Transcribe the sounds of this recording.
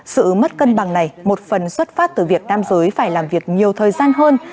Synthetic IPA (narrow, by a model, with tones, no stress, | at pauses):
sɨ̰˧˨mə˦˥t̚kə˧nɓa˨˩ŋna˨˩jmo˨˩t̚fə˨˩nswə˦˥t̚faː˦˥t̚t̪ɨː˨˩vi˨˩ək̚naː˧mzəː˨˦jfaː˧˩jlaː˨˩mvi˨˩ək̚ɲi˨˩əwt̪ʰəː˨˩jzaː˧nɦəː˧n